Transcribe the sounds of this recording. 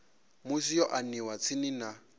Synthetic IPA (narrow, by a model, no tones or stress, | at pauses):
mʊsijɔʔaniwat͡sʰɪnina